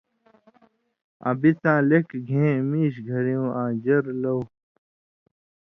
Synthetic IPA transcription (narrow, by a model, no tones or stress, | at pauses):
ɐ̰̃bit͡sãːlekɡʱẽːmiːɕ̬ɡʱɐɾijũːʔãːd͡ʑɐɾlɐw